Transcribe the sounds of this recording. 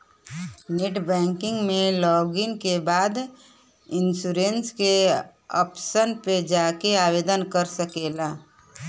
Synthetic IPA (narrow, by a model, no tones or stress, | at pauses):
neʈbɛ̃ːŋkɪ̃ŋɡmẽlɔːɡɪnkebaːd̪ | ɪnsuːɾenske | ɔ̰psənped͡ʒaːkeaːʋeːd̪ənkəɾsəkeːlaː